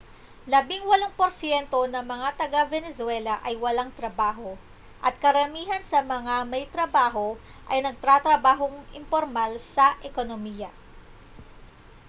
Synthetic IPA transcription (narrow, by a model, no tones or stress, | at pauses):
lɐbiŋwɐloŋpoɾsjɛnt̪o̞nɐŋmɐŋat̪ɐɡavɛnɛswɛlɐʔɐjwɐlaŋt̪ɾɐbaːɦo̞ | ʔɐt̪̚kɐɾɐmiːɦɐnsɐmɐŋamɐjt̪ɾɐbaːɦo̞ | ʔɐjnɐɡ̚t̪ɾat̪ɾɐbaːɦoŋɪmpoɾmalsɐʔɛkonomiːjɐ